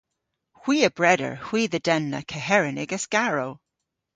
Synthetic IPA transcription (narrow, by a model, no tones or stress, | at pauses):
hw̥iːəbɹɛɾə̰ɹhw̥iːðədɛnːə̰kʰəɦɛɹənɪɡəskaɹow